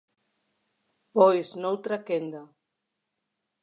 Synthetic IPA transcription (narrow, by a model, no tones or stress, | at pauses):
pɔjznowt̪ɾakend̪a